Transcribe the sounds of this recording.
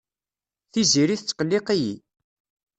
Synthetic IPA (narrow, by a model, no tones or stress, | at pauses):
θiziɾiθt͡sːqəlːiqijḭ